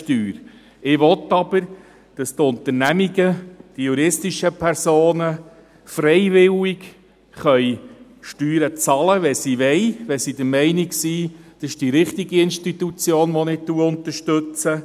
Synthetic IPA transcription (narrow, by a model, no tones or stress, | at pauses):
tyːɾ | ɪʋɔt̪ːɑb̥əɾ | d̥ɑst̪ʊnt̪əɾnæmiɡəd̥ijuɾɪstiʃəpʰɛɾsoːnə | frɛɪʋɪlik | χœj | ʃtyːɾət͡sɑləʋɛsiʋɛjʋɛsid̥̪əɾmɛɪnɪksiːd̥ɑsɪʃd̥iɾɪχt̪iɡiɪnʃtitut͡sjoːnʋɔnɪt̪ːuəʊnt̪əɾʃtʉt͡sə